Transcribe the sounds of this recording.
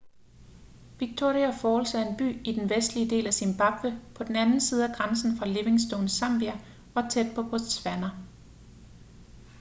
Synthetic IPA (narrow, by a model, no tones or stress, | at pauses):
ʋiɡ̥̚t͡sʰo̝̰ːʁiæfɒːlsæe̝nb̥y̰ːid̥enʋesd̥lid̥e̝̰ːlæsinb̥ɑ̈b̥ʋəpʰɒ̽d̥enænn̩siːð̞̩ˠæɡ̥ʁɑnsn̩fʁɑ̈le̝ʋe̝ŋsd̥onsɑ̈m̰b̥iæ | ɒ̽t͡sʰed̥̚pʰɒ̽b̥ʁo̥sʋænɐ